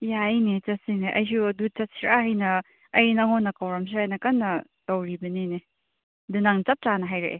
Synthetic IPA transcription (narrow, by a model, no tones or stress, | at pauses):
jaɐjnet͡ʃɐtsineʔɐ̰js̬uɐdut͡ʃɐsiɾaɦɐjnɐ | ɐjnɐŋɔnːɐkawɾɐms̬iɾajnɐkɐnːɐ | tɐwɾibɐnine | dunaŋt͡ʃɐp̚t͡ʃanɐɦajɾḛʔe